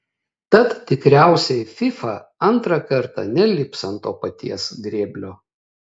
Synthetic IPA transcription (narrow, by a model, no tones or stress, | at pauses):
t̪ɐt̪tʲɪkɾʲæˑʊsʲɛɪfʲɪfɐɐnˑt̪ɾɐkɐɾt̪ɑ̰nʲɛlʲɪpsɐnt̪oːpɐt̪ʲiɛsɡɾʲeːbʲlʲoː